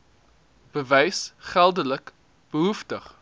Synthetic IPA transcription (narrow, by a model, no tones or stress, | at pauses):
b̥əvɛjsχælˠdələk | b̥əɦuftəχ